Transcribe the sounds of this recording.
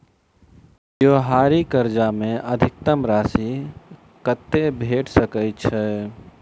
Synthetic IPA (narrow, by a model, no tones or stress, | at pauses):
joːɦaːɾikəɾd͡ʒamẽʔəd̪ʱɪk̚t̪əmɾaːsi | kət̪ːebʱeːʈʰsəkət͡ʃʰɛ